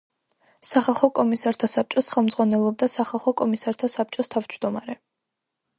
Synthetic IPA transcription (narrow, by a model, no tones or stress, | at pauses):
saχalˠχɔkʼɔmisaɾt̪ʰasap̚t͡ʃʼɔsχɛlˠmd̪zʁwanɛlˠɔb̚d̪asaχalˠχɔkʼɔmisaɾt̪ʰasap̚t͡ʃʼɔst̪ʰavd͡ʒd̪ɔmaɾɛ